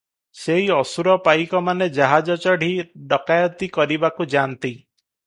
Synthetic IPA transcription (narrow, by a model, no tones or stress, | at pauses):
seɦiɔsuɾɔpajkɔmaned͡ʒaɦad͡ʒɔt͡ʃɔɽ̤iɖɔkajɔt̪ikɔɾibakud͡ʒant̪i